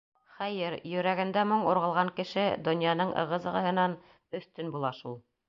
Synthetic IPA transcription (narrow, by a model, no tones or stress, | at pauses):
χæjɘɾjɵ̆ɾæɡɘ̆nd̪æmoɴŭɾʁɤ̆lˠʁɑŋkɘ̆ʃɘd̪ŏnjɑnɤɴʔɤ̰̆ʁɤ̆zɤ̆ʁɤ̆ɦɤ̆nɑn | ɵ̆θt̪ɵnbulˠɑʃulˠ